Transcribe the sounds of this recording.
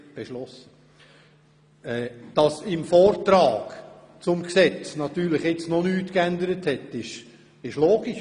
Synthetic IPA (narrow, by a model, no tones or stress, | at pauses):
b̥eʃlɔs | ɛːd̥ɑsɪmfɔːɾtɾɑːɡ̥ | t͡sʊmksɛt͡snɑt̪yːɾlɪχɪt͡snɔnyːtkændəɾəthɛtːɪʃ | ɪʃloːɡiʃ